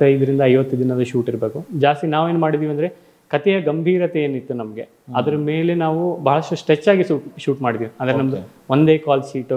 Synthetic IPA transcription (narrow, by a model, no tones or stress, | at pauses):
ɐjd̪ɐɾind̪ɐɐjʋɐt̪ːud̪inɐd̪ɐʃuːʈiɾbe̞ːkud͡ʒaːst̪inaːʋeːnumaːɽid̪iːʋiɐnd̪ɐɾe | kɐt̪ɛjɐɡɐmbʱiːɾɐt̪eeːnit̪ːunɐmɐɡe̞ | ɐd̪ɐɾɐme̞ːle̞naːʋubɐɦɐɭɐʂʈusʈɾet͡ʃːaːɡiʃuːʈʃuːʈmaːɽid̪iːʋiɐnd̪ɐɾenɐmɐd̪u | o̞nd̪e̞ːkaːlsiːʈ